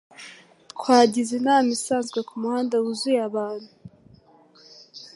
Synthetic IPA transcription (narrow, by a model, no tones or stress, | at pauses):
kwaːɟizenamisaːnzɡwakumuhaːndawuzujaβaːn̥hu